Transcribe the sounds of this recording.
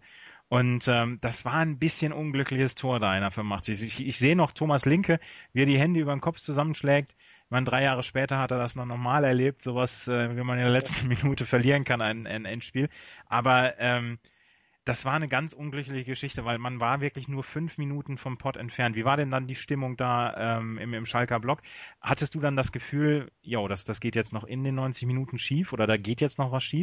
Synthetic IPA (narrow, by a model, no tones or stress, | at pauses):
ʔʊntʔɛːmd̥asv̥aːɐnbɪsçənʔʊnɡlʏklɪçəstʰoːɐdaɪnɐfɪɐmːaχtz̥ɪsɪçɪçz̥eːənɔχtʰoːmaslɪŋkʰəviːɛɐdiːɦɛndəʔyːbɐdenkʰɔpp͡ft͡suzamənʃlɛːk̚t | ɪçmaɪndʁaɪjaːʁ̞əʃpɛːtɐhateːɐdasnɔχnɔχmaːlɛɐleːp̚tz̥oːvasʔɛːvimanɪndeːɐlɛt͡stn̩minuːtəfɛɐliːʁənkʰanaɪnʔa̰ɪnʔɛntʃpiːlʔaːbɐʔɛːm | d̥asv̥aːɐnəɡant͡sʔʊnɡlʏklɪçəɡəʃɪçtəvaɪlmanvaːɐvɪɐklɪçnuːɐfʏnfminuːtn̩fɔnpʰɔtɛ̰ntfɛɐntv̥iːvaːɐdɛndandiːʃtɪmʊŋd̥aːʔɛːmɪ̰mɪmʃalkɐblɔkhatəstd̥uːdandasɡ̥əfyːljoːdasd̥asɡ̥eːtjɛt͡stnɔχʔɪndeːnːɔʏnt͡sɪçminuːtn̩ʃiːfʔoːdɐdaːɡeːtjɛt͡stnɔχvasʃiːf